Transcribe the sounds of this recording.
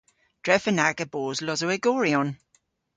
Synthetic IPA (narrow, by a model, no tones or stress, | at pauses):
d̥ɹɛfənaɡəboːzlɔzəwɛɡɔːɹiɔn